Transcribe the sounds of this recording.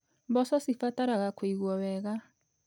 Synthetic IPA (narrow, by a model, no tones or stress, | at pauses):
mbɔsɔsifataɾaɣakweiɣwɔwɛɣa